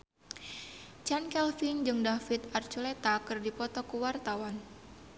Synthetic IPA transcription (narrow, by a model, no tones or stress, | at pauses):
t͡ʃankɛlfind͡ʒɨŋdafit̪art͡ʃulet̪akɨrdipɔt̪ɔkuwart̪awan